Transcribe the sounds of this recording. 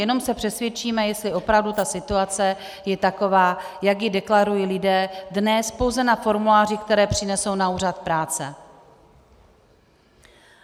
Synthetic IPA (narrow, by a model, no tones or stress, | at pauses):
jɛno̞msɛpr̝̥ɛsvjɛt͡ʃiːmɛjɛst̪lɪʔo̞pɾavdut̪asɪt̪uat͡sɛ | jɛt̪ako̞vaːjaɡjɪdɛklaɾujiːlɪdɛːdnɛspo̞wzɛnafo̞ɾmulaːr̝ɪkt̪ɛɾɛːpr̥ɪnɛso̞wnauːrat̪̚pɾaːt͡sɛ